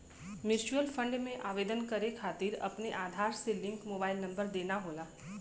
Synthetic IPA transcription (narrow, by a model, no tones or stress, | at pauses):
mɪɾɪt͡ʃuəlfʰə̃ɳɖmẽʔaːʋeːd̪ənkɐɾekʰaːt̪iːɾɐ̰pneʔaːd̪ʱaːɾselɪ̃ŋkmoːbaːɪlnɐ̃mbəɾd̪eːnaɦoːlaː